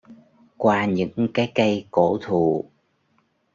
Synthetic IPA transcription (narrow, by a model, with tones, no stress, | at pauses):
kwaː˧ɲɨ̰˧˥ŋkaː˨˦jkə˧jko˧˩˥t̪ʰu˨˩